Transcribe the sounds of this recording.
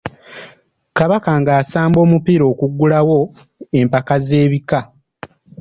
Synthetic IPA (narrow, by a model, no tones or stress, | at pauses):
kaβakaŋɡaːsaːmbo̞ːmupiːɾo̞ːkuɡːulawo̞e̞mpakaze̞ːβika